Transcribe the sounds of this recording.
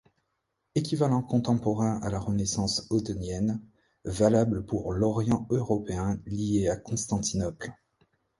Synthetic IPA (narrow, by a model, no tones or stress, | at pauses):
ekʲivalɑ̃kɔ̃t̪ɑ̃pɔʁɛ̃ʔa̰laʁənesɑ̃sot̪ɔnjɛn | valabləpuʁlɔʁjɑ̃øʁɔpeɛ̃lijeakɔ̃st̪ɑ̃t̪inɔpl